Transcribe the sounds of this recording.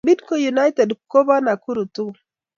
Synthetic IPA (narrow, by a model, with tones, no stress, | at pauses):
bi˦dko˨ju˨na˦jte˨dko˦ba˦na˨ku˦ɾu˨tu˦˨